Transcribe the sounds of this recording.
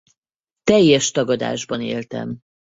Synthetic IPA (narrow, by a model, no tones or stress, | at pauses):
t̪ɛjːɛʃt̪ɒɡɒd̪a̰ːʒbɒnḛːlt̪ɛ̰m